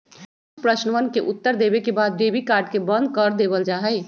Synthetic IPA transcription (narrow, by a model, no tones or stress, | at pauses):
pɾəʃnʋənkeʔʊt̪ːəɾd̪eːbekebaːd̪̚beːbikaːɾɖkebə̃nd̪̚kəɾd̪eːbəld͡ʒaːɦɛe